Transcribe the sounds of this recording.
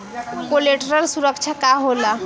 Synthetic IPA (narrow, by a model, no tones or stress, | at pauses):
koleʈəɾəlsuɾək̚t͡ʃʰakaɦola